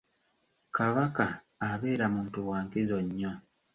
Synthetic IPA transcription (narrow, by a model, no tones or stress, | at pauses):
kaβakaː | βe̞ːɾamuːntuwaːŋkizoɲːo̞